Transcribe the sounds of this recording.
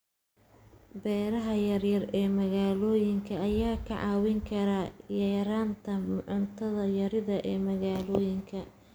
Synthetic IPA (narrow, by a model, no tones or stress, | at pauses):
bɛːɾɐɦɐjɐrjɐrɛːmɐɣaːlɔːjɪŋkʰɐːjaːkʰɐ̰ʕɑ̰ːwɪŋkʰɐɾaːjɛːɾaːnt̪ʰɐmʕʊnt̪ʰɐðɐjɐɾɪðɐʔɛːmɐɣaːlɔːjɪŋkʰɐ